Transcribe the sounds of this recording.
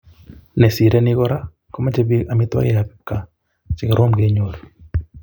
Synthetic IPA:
nɛ˨si˨ɾe˦ni˦ɣɔ˦ɾa˦ | kɔ˦ma˦d͡ʒe˦bi˦a˨mi˦t̪wa̰˦ɣe˦a˨kkːa˨ | t͡ʃi˨ka˨ɾo˦mɡe˨ɲo˨ɾo

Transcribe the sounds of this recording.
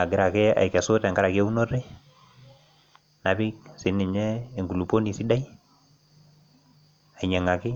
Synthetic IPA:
a˨ɡɪ˦ɾa˨kɛ˦a̰˨i˨kɛ˨so˦tɛ˨ŋɡa˦ɾa˨kɛ˦u˦no˦ɾɛ˦ | na˨bɪ˦ksɪ˨˦nɪ˨ɲɛː˦˨ŋɡu˨lu˨po˦ni˨si˦da˦i | a˨ɲa˨ŋa˨kɪ˦

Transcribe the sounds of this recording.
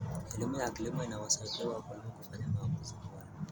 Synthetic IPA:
ɛ˨li˦mu˦ja˨ki˨li˦mu˦i˨na˨wa˨sa˨iɓɛ˦wa˨ka˨n˦ku˨fa˦ɲa˦ma˨bu˦zi˨˦wa˦la

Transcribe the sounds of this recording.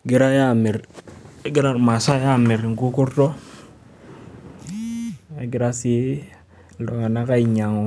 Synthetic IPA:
ɡi˨˦ɾa˦ja˦˨mi˨ɾɡi˦ɾa˦ma˨sa˦ja˦˨mi˨ɾŋ̩˨ku˦ku˦ɾtɔ˦ | e˨ɡi˨ɾa˦si˦˨ | dɔ˨ŋa˨na˦ka˦i˨ɲa˨ŋo˨

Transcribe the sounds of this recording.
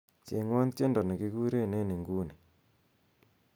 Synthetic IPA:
t͡ʃḛ˨ŋwa˦nt͡ʃe˦ndɔ˨ne˨ki˦ku˦ɾe˦˨ne˦˨ne˨ŋɡu˦ne˨

